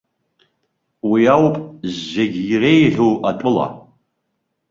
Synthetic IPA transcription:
wiawpʼzːeɡʲirejħʷᶣowatʼʊla̰

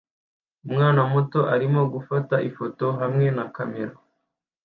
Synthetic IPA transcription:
umŋaːnamuto̞ʔaɾimo̞ɡufataʔifoto̞ɦamŋe̞nakameɾo

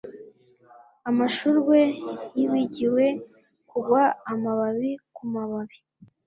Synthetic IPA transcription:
amaʃuɾɡe̞jiwiɟiwe̞ | kuɡwaːmaβaβikumaβaβi

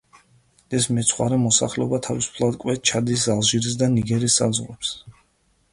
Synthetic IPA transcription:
ɛsmɛt̪sʰχwa̰ɾɛmɔsa̰χlɛɔbat̪ʰavisu̥pʰlˠad̪kʼwɛt̪̚t͡ʃʰad̪isalˠʒiɾis̬d̪aniɡɛɾisːa̰d̪zʁwɛps

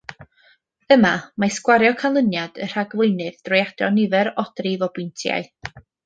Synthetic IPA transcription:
əmamaskwaɾjɔkʰalˠənjad̥ə̰r̥aɡlˠɪjnɨðd̥rɔjad̥ɔ̰nɪvɛɾɔd̥rivɔbɪntʰja̰ɨ

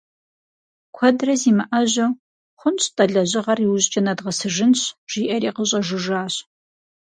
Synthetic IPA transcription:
kʷʰɐdrɐziːmɨʔɐʑɐw | χʷʊnt͡ɕʼtʼɐɮɐʑɪʁɐriwʊʑt͡ʃʼɐnɐdʁɐsɨʒɨnɕʒ̥iːʔɐɾiːqəɕʼɐʒɨʒaːɕ

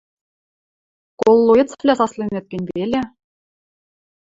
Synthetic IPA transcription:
kolˠːuĕt̪t͡sflʲæsɑslʲˠĕnʲĕt̪̚ʲkʲĕnʲbʲelʲĕ

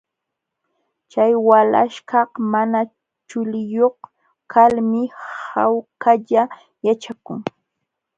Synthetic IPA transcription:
t͡ʃajwala̰ʃkɑhmana | t͡ʃʊlɪjoχ | kʰalmɪhawkaʎa | jat͡ʃakʊŋ

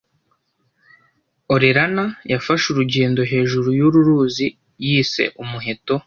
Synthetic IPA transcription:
oɾiɾanajafaʃuɾuɟe̞ːndo̞ɦe̞ːʒuɾujuɾuɾuːzi | jiːse̞̰ʔumuɦe̞to̞

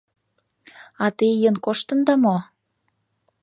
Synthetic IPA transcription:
ɑt̪ejənkoʃt̪ə̆nd̪ɑmo

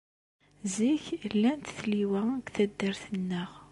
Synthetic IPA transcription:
ziçlːænt̪θliwæɡθæd̪ːəɾθənːəʁ

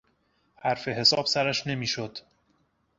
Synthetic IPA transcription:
hæɾfe̞ɦe̞sɒːb̥sæɾæʃne̞miːʃod̪̥

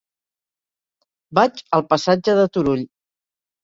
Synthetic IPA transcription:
bad͡ʒəlˠpəsad͡ʒəðət̪uɾuʎ

